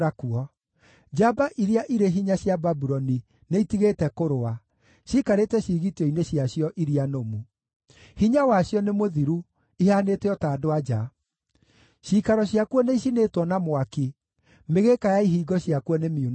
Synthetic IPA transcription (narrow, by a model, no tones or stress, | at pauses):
akuɔ | d͡ʒabaʔiɾiaʔiɾeɦiɲaɕjababuɾɔni | neitiɣeːtɛkoɾoa | ɕiːkaɾetɛɕiːɣitɔineɕjaɕjɔʔiɾianomu | hiɲawaɕjɔnemoðiɾu | ihaːneteɔtaːdoad͡ʒa | ɕikaɾɔɕjakuɔneis̬inetwɔnamwaki | meɣekajaiɦiːɡɔɕjakuɔnemiun